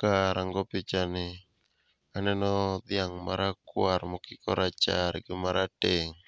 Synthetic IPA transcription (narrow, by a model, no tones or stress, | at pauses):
kaɾaŋɡɔpɪt͡ʃanɪ | anɛnɔd̪ɪaŋma̰ɾakwaɾmɔkɪkɔɾat͡ʃaɾɡɪmaɾateŋ